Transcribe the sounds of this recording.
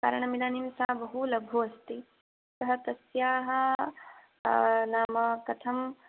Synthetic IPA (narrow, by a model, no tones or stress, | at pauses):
ka̰ːɾɐɳ̃ɐmid̪aːnimsaːbɐɦulɐbʱuɐst̪i | sɐɦɐt̪ɐsjaːɦɐ̆ | naːmɐkɐt̪ʰɐm